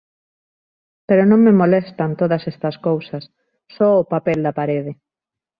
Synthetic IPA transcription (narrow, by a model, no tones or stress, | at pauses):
peɾonõŋmemolest̪ɐnt̪oðɐsɛst̪ɐskowsɐsː | ɔʊpapɛld̪ɐpaɾeð̞ɪ